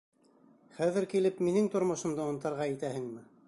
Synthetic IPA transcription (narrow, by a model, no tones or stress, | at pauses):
χæðɘɾkilɘpminɘŋt̪ŏɾmŏʃɤ̆md̪ɤŏnt̪ɑɾʁɑit̪æhɘŋmɘ